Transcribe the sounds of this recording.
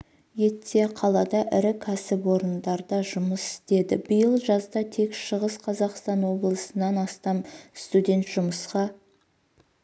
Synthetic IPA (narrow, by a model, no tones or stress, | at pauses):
je̞t̪ːe̞qʰɑlˠɑd̪ɑʔɪɾɪkʲʰæsɪpwo̞ɾənd̪ɑɾd̪ɑʒʊməsɪ̥st̪e̞d̪ɪbəjəlˠʒɑzd̪ɑt̪ʰe̞kʃəʁəsqʰɑzɑqst̪ɑnwo̞blˠəsənɑnɑst̪ɑmst̪ud̪ʲe̞nt̪ʒ̥ʊməsqɑ